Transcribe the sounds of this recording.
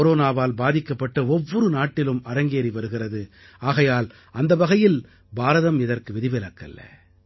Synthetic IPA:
ɔɾoːnaːʋaːlbaːðɪkːɐpːɐʈːɐɔʋːɔɾɯnaːʈːɪlɯmɐɾɐŋɡeːɾiʋɐɾɯɣɪrɐðɯ | aːɣɐjaːl | ɐnd̪ɐʋɐɣɐjɪl | baːɾɐðɐmɪðɐrkɯʋɛðɪʋɪlɐkːɐ̰lːɐ̰

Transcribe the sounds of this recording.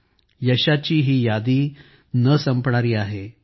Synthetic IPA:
jəɕat͡ɕiːɦiːjad̪iː | nəsəmpɳaɾiːaɦe

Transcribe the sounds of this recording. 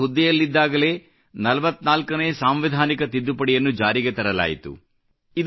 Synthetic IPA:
ud̪ːijɐlːid̪ːaːɡɐle̞ː | nɐlɐʋɐt̪ːnaːlkɐneːsaːmʋid̪ʱaːnikɐt̪id̪ːupɐɽɛijɐnːud͡ʒaːɾiɡet̪ɐɾɐla̰ːjḭt̪ṵ | id̪

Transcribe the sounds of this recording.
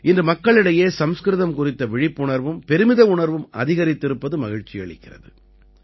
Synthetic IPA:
ɪndrɯmɐkːɐɭɪɽɐjeːsɐmskɾɯðɐmkʊrɪt̪ːɐʋɪɻɪpːʊɳɐɾʋɯmpɛɾɯmɪðɐʊɳɐɾʋɯmɐ̰ðɪɣɐɾɪt̪ːɪɾɯpːɐðɯmɐɣɪɻt͡ʃːɪjɐ̰ɭɪ̰kːɪrɐ̰ðɯ

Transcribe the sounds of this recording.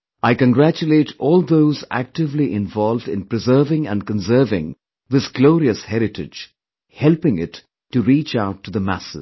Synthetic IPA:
aɪkə̃nɡɾæt͡ʃuleːʈɔːlˠd̪oʊzæ̰k̚ʈɪvliʔɪ̃nvɔlvɖɪ̰̃npɾɨzəːvɪ̃ŋæ̰̃nkə̃nsɜɾvɪ̰̃ŋ | ðɪsɡlɔːɾiəshɛɾɪʈɪ̰d͡ʒ | hɛlpɪ̃ŋɪtʰː | uɾiːt͡ʃaʊʈʰːud̪əmæ̰sɪ̰

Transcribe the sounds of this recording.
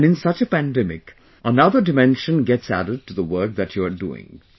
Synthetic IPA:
nɨ̃nsʌt͡ʃəpæ̃ndɛmɪ̰k | ʔənʌðədɨmɛ̃nʃɨ̃nɡɛtsæ̰ɾəd̚tɨðəwɜ˞k̚ðɨt͡ʃə˞dṵɪ̰̃ŋ

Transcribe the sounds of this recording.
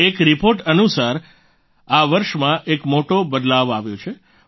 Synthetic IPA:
ekɾipoɾʈənusaɾ | aʋəɾʃmãʔekmoʈobəd̪laʋaʋjot͡ʃʰe

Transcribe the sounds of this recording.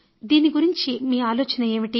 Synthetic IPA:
d̪iːniɡuɾiɲt͡ʃimiːaːloːt͡ʃɐnɐe̞ːʋiʈi

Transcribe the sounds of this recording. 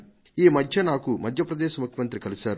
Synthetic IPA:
iːmɐd̪ʱjɐnaːkumɐd̪ʱjɐpɾɐd̪ɛːʃɐmukʰjɐmɐnt̪ɾikɐlisaːɾ

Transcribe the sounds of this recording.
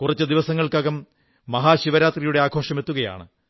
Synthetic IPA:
kurɐt͡ɕːɨd̪iʋɐsɐŋːɐɭkɐɣɐmː | ɐɦaːɕiʋɐɾaːt̪rijuɽe̞aːɡʰʱo̞ːʂɐme̞t̪ːuɣɐja̰ːɳɨ̰

